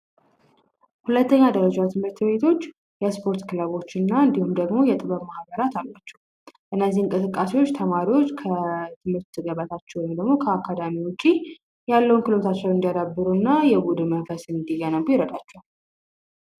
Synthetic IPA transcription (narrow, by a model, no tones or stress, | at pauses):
hulət̪ʰːəɲːad̪əɾəd͡ʒat̪ʰɨmɨɾt̪be̞t̪ʰo̞t͡ʃː | jɛspʰo̞ɾt̪kʰɨlaβo̞t͡ʃːɨnːaɨnd̪ihumd̪əɡmo̞jɛt̪ʼɨβəβmahbəɾat̪ʰalːat͡ʃːɛw | ʔɨnːəzːihɨŋkʼɨsɨkʼːase̞wot͡ʃːt̪ʰəmaɾiwo̞t͡ʃːkʰət̪ʰɨmɨɾt̪ːɨɡəβat̪ʰat͡ʃːɛwɔjmd̪əɡmo̞kʰəakʰːad̪amiwot͡ʃːi | jalːəwunkɨlo̞t̪ʰat͡ʃːɛwɨnd̪ijad̪abːɨɾunːajɛbud̪ɨmənfəsɨnd̪ijanəwjɪɾəd̪ʼat͡ʃːɛ